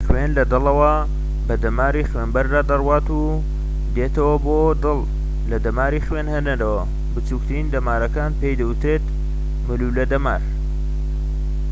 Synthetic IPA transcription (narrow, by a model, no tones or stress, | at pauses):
xwenlɐd̪ɨlɐwɐ | bɐd̪ɐmaːɾixweːnbɐɾd̪aːd̪ɐrwaːt̪u | d̪eːt̪ɐwɐbod̪ɨlˠ | lɐd̪ɐmaːɾiːxweːnhendeɾɐwɐ | bɨt͡ʃuːk̚t̪ʰɨɾiːnd̪ɐmaːɾɐkaːnpejd̪ɐwut̪ɾeːt̪ | mɨlulɐd̪ɐmaːɾ